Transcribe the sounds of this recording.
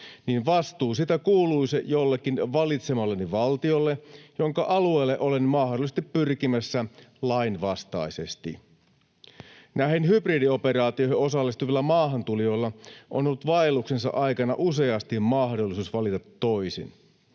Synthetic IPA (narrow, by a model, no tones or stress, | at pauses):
niːnʋɑst̪uːsit̪ækuːluisejolːekːinʋɑlit̪semɑlːeniʋɑlt̪io̞lːejo̞ŋkɑʔɑlue̞ːlːeʔo̞lenmɑhdolːˑise̥st̪ipːyrkimæsːælɑinʋɑst̪ɑ̰ise̞̰st̪ḭ | næhenɦypridio̞pe̞rɑːt̪ioiheo̞sɑlːist̪uʋilːæmɑːɦɑnt̪ulijo̞ilːɑʔo̰nolːut̪ʋɑelːuksensɑ̰ʔɑjkɑnɑ̰ʔuse̞ɑst̪immɑhdolːˑisuːsʋɑlit̪ɑt̪ːo̞isḭn